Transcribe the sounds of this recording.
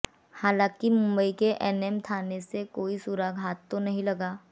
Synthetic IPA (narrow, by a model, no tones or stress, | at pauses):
haːlãːkimʊ̃mbəikeʔɛːnɛmt̪ʰaːnesekoːisuɾaɡʱɦaːt̪ːonɐɦĩlɐɡaː